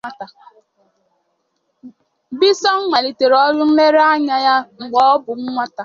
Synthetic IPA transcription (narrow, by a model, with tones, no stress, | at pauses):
a˦ta˨ | bi˦sɔ˦ŋ̩˦ŋʷa˨li˨te˨ɾɔ˦ɾʊ˦n̩˦me˦ɾa˦ɲa˦ja˦ŋ͡m̩˨ɡ͡bɔ˦ɔ˦bʊ˨ŋ͡m̩˦ŋʷa˦ta˨